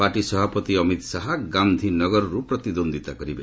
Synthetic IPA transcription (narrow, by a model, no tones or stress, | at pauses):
paʈisɔbʱapɔt̪iɔmit̪saɦaɡand̪ʱinɔɡɔɾɔɾupɾɔt̪id̪ond̪it̪akɔɾibe